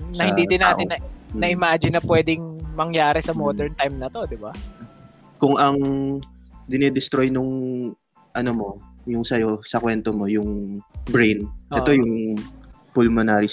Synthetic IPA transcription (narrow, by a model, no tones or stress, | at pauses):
nɐhɪnd̪iːd̪ɪnːaːɪnːɐnɐʔɪmaːd͡ʒɪnːɐpwɛːd̪ɪŋmɐŋjaːɾɛsɐmoːd̪ɛɹnt̪ajmnɐt̪o̞d̪ɪba | kʊŋʔɐŋ | d̪ɪnɛd̪ɪst̪ɾojnʊŋ | ʔɐnomo̞jʊŋsɐjosɐkwɛnt̪omo̞jʊŋbɾɛjnʔɛʔ̪ojʊŋ | pʊlmɐnaːɾi